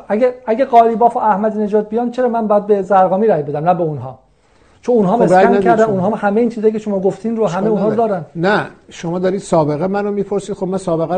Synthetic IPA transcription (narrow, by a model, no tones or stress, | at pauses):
æɡeæɡeɣɒːliːbɒːfoʔæhmæd̪iːne̞d͡ʒɒːd̪̚bijɒːnt͡ʃʰe̞ɾɒːmænbɒːjæd̪̚bezæɾɡɒːmiːɾæjbe̞d̪æmnæbeunɦɒ̰ː | t͡ʃʰonunɦɒːmɾkʰæɾd̪ænunɦɒːhæmeiːnt͡ʃʰizɒːjːcʰeʃo̞mɒːɡoft̪ʰiːnɾohæmeunnhɒːd̪ɒːɾænnæʃomɒːd̪ɒːɾiːd̪sɒːbe̞ɣemænomiːpʰoɾsiːd̪xobmænsɒːbeɣæ